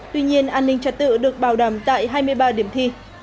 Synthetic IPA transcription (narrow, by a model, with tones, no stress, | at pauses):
t̪wi˧ɲi˧ənʔaː˧nːï˧ŋ̟t͡ɕə˧t̚t̪ɨ̰˧˨ɗɨ˨˩ək̚ɓaː˨˩wɗə˧˩mt̪a̰ː˧˨jɦaː˧jmɨ˧əjɓaː˧ɗi˨˩əmt̪ʰi˧